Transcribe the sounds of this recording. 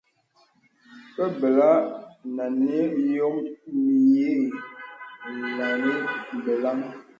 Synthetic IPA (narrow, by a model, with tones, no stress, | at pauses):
pə˦bə˨la˦na˨ne˦jo˦mmi˨je˦˨ | na˨ni˦m˨bə˨la˦ŋ